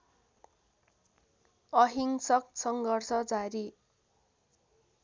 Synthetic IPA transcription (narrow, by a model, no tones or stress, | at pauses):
ʌɦiŋsʌksʌŋɡʌrsʌd͡zaɾi